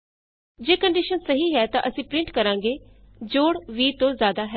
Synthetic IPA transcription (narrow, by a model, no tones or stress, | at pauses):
d͡ʒeːkəɳɖiːʃənsəɦiːɦɛːt̪ã̰ːʔəsĩːpɾɪ̃ɳʈkəɾãːŋɡeː | d͡ʒoːɽʋiːt̪õːzjaːd̪aːɦɛː